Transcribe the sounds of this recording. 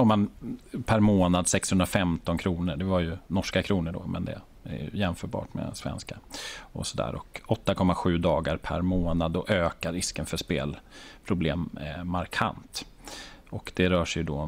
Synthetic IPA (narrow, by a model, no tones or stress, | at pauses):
ɔmːanpʰæɾmoːnad̪sɛkshɵnd̪ɾafɛmt̪ɔnkʰɾuːnəɖɛvaɾjɵnɔʂkakʰɾuːnəɖɔ̰mɛnd̪ɛ̰ | æ̰j̰jɛnfœːɾbɑ̰ːʈmɛ̰svɛ̰nskaɔ̰sɔd̪æ̰ːɾʔɔ̰kɔt̪ːakʰɔmːaɧʉ̟ːd̪ɑːɡaɾpʰæ̰ɾmoːnad̪ːɔʔøːkaɾɪskənfœʂpḛːlpʰɾʊbleːmːaɾkʰa̰nt̪ | ɔkd̪ɛɾœːʂɛjd̪ɔ